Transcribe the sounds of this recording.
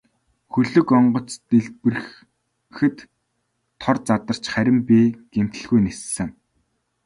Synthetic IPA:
xɵɮɵ̆kɔɴɢɞ̆t͡st̪eɮpɘ̆r | xɘ̆t̪ʰː | ɔrt͡sat̪ə̆r̥t͡ɕχæɾʲɪ̆mpiːɡ̥em̥t̪ɘ̆ɮɣujnessɘ̆ŋ

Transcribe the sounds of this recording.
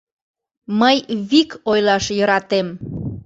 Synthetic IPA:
məjβikojlɑʃjəɾɑt̪em

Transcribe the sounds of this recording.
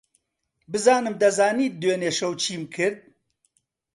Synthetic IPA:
bɨzɑːnɨmd̪ɐzɑːniːt̪̚d̪weːneːʃɐwt͡ʃʰiːmkʰɨɾd̪̚

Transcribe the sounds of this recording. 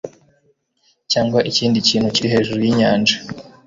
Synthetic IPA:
caːŋɡwaʔiciːndiciːn̥huciɾiɦe̞ːʒuɾujiɲaːnd͡ʒa

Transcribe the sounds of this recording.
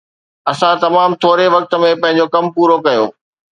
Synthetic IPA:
ɐsãt̪ɐmaːmt̪ʰoːɾeʋɐk̚t̪ə̆mẽpɐ̃ɦɪ̃ɲ̆d͡ʑokɐmpuːɾokɐjo̰ː

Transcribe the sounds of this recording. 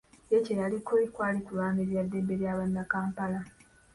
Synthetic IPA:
jecejalikolikwaːlikulaːmbeβjadːe̞be̞ɾjaːβanːakaːmpala

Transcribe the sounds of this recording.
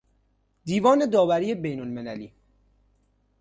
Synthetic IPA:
d̪iːvɒːne̞d̪ɒːvæɾiːebe̞jnolmenælḭː

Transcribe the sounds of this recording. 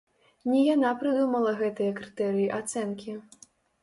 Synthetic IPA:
nʲɛjanapɾɨd̪umɐlˠɐɣɛt̪ɨjɐkɾɨt̪ɛɾɨjiʔat̪sɛnkʲi

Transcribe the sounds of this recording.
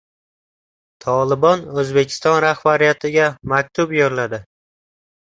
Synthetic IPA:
t̪ʰɒlˠɪbɒnɵzbe̞kʲʰɪ̥st̪ɒnɾahbaɾijat̪ʰɪɡʲamak̚ʲt̪ʰʊbjɒɾlad̪ɪ

